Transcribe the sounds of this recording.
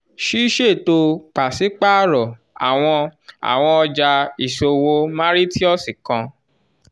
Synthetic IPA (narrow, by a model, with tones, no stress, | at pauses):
ʃi˦ʃe˦˨to˧k͡pa˨si˨˦k͡pa˦ɾɔ˨ | a̰˨w̃ɔ̃˧a̰˨w̃ɔ̃˧ɔ˧d͡ʒa˧i˨ʃo˧wo˧mã˦ɾi˦ti˦ɔ˦˨si˨kã˧